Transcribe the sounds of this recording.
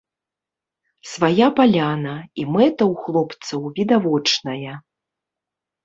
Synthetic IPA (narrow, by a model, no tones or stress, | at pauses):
svajapalʲanɐimɛt̪ɐwxlˠɔpt̪sɐwvʲid̪avɔt͡ʂnɐjɐ